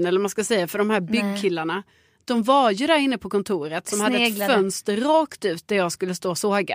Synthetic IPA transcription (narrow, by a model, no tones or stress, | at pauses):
nɛlːəɾmanskasɛjːafœɖɔmhæːɾbʏɡkʰɪlːaɳa | d̪̥ɔmvaɾjɵd̪æːɾɪnːəpʰɔkʰɔnt̪ʰuːɾət̪sɔmhad̪ːɛfœnst̪əɾɑːkt̪ʉ̟ːt̪̚d̪æɾjɑːɡskɵlːəst̪oːsoːɡa̰